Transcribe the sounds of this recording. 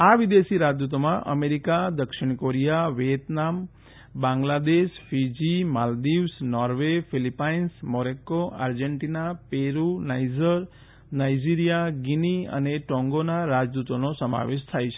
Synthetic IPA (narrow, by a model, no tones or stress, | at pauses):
aʋid̪esiɾad͡ʒd̪ut̪̬omãʔə̰meɾikad̪əkʃiɳ̃koɾijaʋjet̪nam | bãŋɡlad̪eʃfid͡ʒimald̪iʋsnɔɾʋefilipainsmɔɾekːoʔa̰ɾd͡ʒeɳʈinapeɾunajd͡ʒəɾ | najd͡ʒiɾijaɡiniə̰neʈɔ̃ŋɡonaɾad͡ʒd̪ut̪onosəma̰ʋeʃt̪ʰajt͡ʃʰe̥